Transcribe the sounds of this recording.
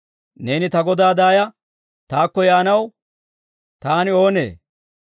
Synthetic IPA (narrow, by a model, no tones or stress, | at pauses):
ne̞ːnɪt̪ɐɡɔd̪aːd̪aːjɐ | t̪aːkːɔjaːnɐw | t̪aːnɪo̞ːne̞̰ː